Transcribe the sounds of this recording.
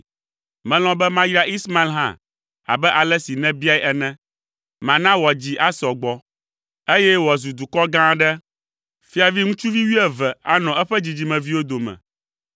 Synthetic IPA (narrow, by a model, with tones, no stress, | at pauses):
mɛ̃˨l̃ɔ̃˦bɛ˦mã˦ji˦ɾa˦ʔi˦sma˦i˦lɦã̰˦˨ | a̰˨bɛ˦ʔa˨lɛ˦si˨nɛ̃˦bi˦a˦i˦ʔɛ˦nɛ̃˦ | mã˨nã˦wɔ˨d͡ʑi˦ʔa˦sɔ˨ɡ͡bɔ˦ | e˦jɛ˦wzu˨d̪u˨kɔ˦ɡã˦ɖɛ˦ | fi˦a˨vi˦ŋũ˦t͡ʃu˦vi˦wi˦ɛ˨vɛ˨a̰˨nɔ̃˨ʔɛ˦ɸɛ˦d͡ʑi˨d͡ʑi˨mɛ̃˨vi˦wo˦d̪o˨mɛ̰̃˨